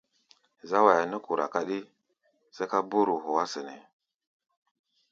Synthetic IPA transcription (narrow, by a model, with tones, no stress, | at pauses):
za˦wa˨ja˨nə˦ku˨ɾa̰˨ka˦ɗi˦ | sə˦ka˦bu˦ɾu˨ɦu˨wa˦sə˨nḭ˨